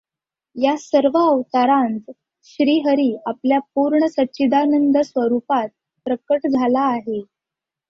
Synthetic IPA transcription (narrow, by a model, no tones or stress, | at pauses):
jasəɾʋəːʋt̪aɾãnt͡s̪ | ɕɾiːɦəɾiːapljap̚uɾɳəsətːɕid̪anənd̪ʱəsʋəɾupat̪̚ | pɾəkəʈd͡zʱalaːɦe